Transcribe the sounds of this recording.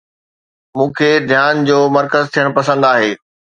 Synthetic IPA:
mũːkʰeːd̪ʱjaːnd͡ʑoːmɐɾkəzt̪ʰijəɽ̃pɐsə̃nd̪aːɦeː

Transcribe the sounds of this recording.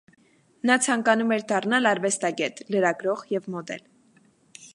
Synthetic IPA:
nɑt͡sʰɑŋkɑnumɛɾd̪ɑrnɑlɑɾvɛst̪ɑɡɛt̪ləɾɑɡɾɔʁjɛvmɔd̪ɛ̰l

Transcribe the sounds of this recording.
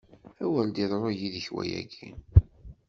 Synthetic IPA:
æwæld̪iðˤɾˤojiðəçwæ̰jæɡin

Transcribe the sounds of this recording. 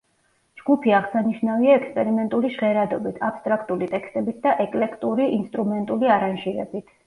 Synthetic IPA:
d͡ʒɡupʰiaʁsaniʃnaviaɛkspʼɛɾimɛnt̪ʼuliʃʁɛɾad̪ɔbit̪ʰapst̪ʼɾakʰt̪ʼulit̪ʼɛkst̪ʼɛbit̪̚ʰd̪aʔɛkʼlɛkʰt̪ʼuɾiinst̪ʼɾumɛnt̪ʼuliaɾanʒiɾɛ̰bit̪ʰ

